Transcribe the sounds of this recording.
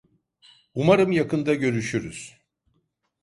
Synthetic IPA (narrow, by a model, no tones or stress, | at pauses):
umaɾɯmjakɯnd̪aɟø̞ɾyʃyɾyz̥